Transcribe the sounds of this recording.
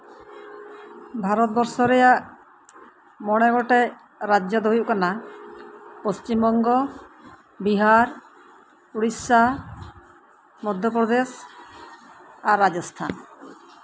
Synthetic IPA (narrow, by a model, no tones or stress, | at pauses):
bʱaɾɔt̪̚bɔɾsɔɾɛjaʔ | mɔɽ̃ɛɡɔʈɛ | ɾad͡ʒjɔd̪ɔɦujuʔkana | post͡ʃimbɔŋɡɔ | biɦaɾ | uɽisa | mɔd̪ʱjɔpɾɔd̪es | aɾad͡ʒɔst̪ʰan